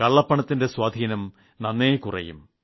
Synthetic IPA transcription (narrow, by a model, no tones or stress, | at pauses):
kɐɭːɐpːɐɳɐt̪ːinde̞swaːd̪ʱiːnɐm | nɐnːeːkurɐ̰jṵm